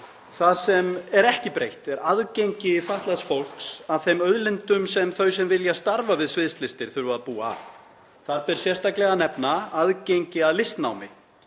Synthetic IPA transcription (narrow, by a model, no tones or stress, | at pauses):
θaðsɛmɛɾɛhcɪpɾejht̪ɛɾaðcejɲcɪfaht̪lasfowl̥ksavθejmœðlɪnt̪ʏmsɛmθœɥsɛmvɪljast̪aɾvavɪðsvɪðst̪lɪst̪ɪɾ̥θʏɾvaðpuːa̰ | θaɾpɪɾ̥sjɛst̪aklɛɣanɛpnaaðcejɲcɪaðlɪst̪na̰wmɪ